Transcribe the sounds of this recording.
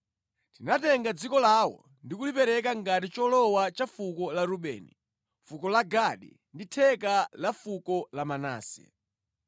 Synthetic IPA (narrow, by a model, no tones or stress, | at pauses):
tinatɛŋɡad͡zikɔlawɔ̰ | ndikulipɛɾɛkaŋɡatit͡ʃɔlɔwat͡ʃafukɔlaɾuɓɛ̰ːnḭ | fukɔlaɡaɗḭ | nditʰɛkalafukɔlamana̰ːsɛ̰